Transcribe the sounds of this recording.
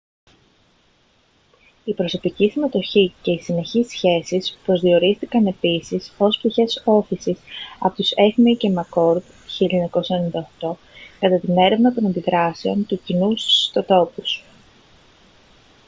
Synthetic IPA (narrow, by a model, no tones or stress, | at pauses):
ipɾo̞so̞picisime̞t̪o̞çice̞isine̞çisçe̞sispɾo̞zðio̞ɾist̪ikɐne̞pisiso̞sp̚t̪içe̞so̞θisisɐ̰po̞t̪use̞xmicemɐko̞ɾd̪ | çiʎɲɐko̞sɐnenind̪ɐoxt̪o̞ | kɐt̪ɐt̪ine̞ɾe̞vnɐt̪o̞nɐnd̪iðɾɐse̞o̞nt̪ucinusst̪o̞t̪o̞pus